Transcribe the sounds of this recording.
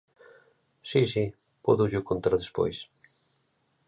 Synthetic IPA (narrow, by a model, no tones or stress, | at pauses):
sisi | poðʊʎʊkont̪aɾðespo̰js